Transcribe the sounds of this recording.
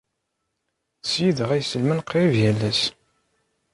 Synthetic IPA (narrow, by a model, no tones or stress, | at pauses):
sjiðəʁæjsəlmənqɾivjælːæs